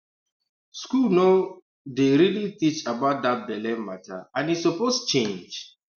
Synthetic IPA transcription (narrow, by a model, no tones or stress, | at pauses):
skulno | deɹilitit͡ʃabaʊt̚d̪at̚bɛlɛ̃nmatʰa̰ãnisɔpost͡ʃẽnd͡ʒ